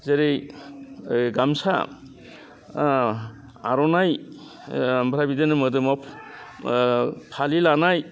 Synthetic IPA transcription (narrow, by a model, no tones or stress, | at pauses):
zeɾej | ɡamsa̰ | aɾɔnaj | bɾabidenɯmɯdɯmɔpʰ | pʰalilanaj